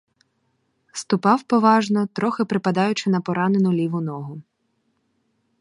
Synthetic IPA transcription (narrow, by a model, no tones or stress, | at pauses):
st̪ʊpɑwpɔʋɑʒnɔt̪ɾɔxɪpɾɪpɐd̪ɑjʊt͡ʃɪnɐpɔɾɑnenʊlʲiʋʊnɔɦʊ